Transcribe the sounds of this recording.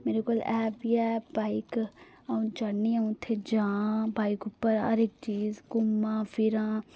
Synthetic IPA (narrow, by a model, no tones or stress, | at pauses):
meːɾekoːlɛːbiɛbaːɪk | aũd͡ʒaniaũt̪ʰed͡ʒãːbaːikʊpːəɾɦɐ̰ɾek̚t͡ʃiːzkʊmːãːfʰɪɾãː